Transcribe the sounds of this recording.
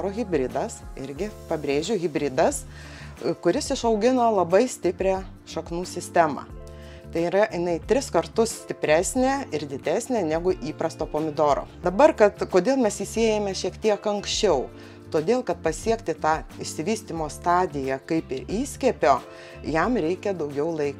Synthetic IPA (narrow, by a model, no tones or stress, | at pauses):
ɾoːɣʲɪbʲɾʲɪd̪ɐsɪ̰ɾʲɡʲɪpɐbʲɾʲeːʒʲʊɣʲɪbʲɾʲɪd̪ɐs | kʊɾʲɪsɪʃɐʊɡʲɪnoːlˠɐbɐɪsʲt̪ʲɪpʲɾʲæː | ʃɐknuːsʲɪsʲt̪ʲæːmɑ̰ː | t̪ɐɪiɾɐjɪnɐɪt̪ʲɾʲɪskɐɾt̪ʊssʲt̪ʲɪpʲɾʲæːsʲnʲeːɪɾd̪ʲɪd̪ʲæːsʲnʲeːnʲæɡʊʔiːpɾɐst̪oːpoːmʲɪd̪oːɾo̰ːd̪ɐbɐrkɐt̪koːd̪ʲeːlˠmʲɛsiːsʲeɛjɛmʲɛʃʲiɛkt̪ʲiɛkɐŋksʲt͡ʃʲɛʊ | t̪oːd̪ʲeːlˠkɐt̪̚pɐsʲiɛkt̪ʲɪt̪ɑːɪʃʲsʲɪʋʲiːsʲt̪ʲimoːst̪ɑːd̪ʲɪjɛkɐɪpɪɾiːsʲkʲɛːpʲoː | jɛmɾʲɛɪkʲɛd̪ɐʊɡʲɛʊlˠɐɪk